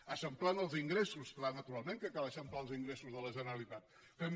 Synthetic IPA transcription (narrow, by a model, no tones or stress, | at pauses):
əsəmplanəlˠziŋɡɾesusklanət̪uɾalˠmẽŋkəkaləsəmplalˠziŋɡɾesuzðələʒənəɾəlit̪at̪̚ | fem